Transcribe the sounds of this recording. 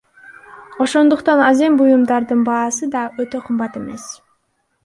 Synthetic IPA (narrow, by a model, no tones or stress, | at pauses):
o̞ʃo̞nd̪uqt̪ɑnɑze̞mbujumd̪ɑɾd̪ɯnbɑːsɯd̪ɑøt̪ø̞qʰɯmbɑt̪e̞me̞s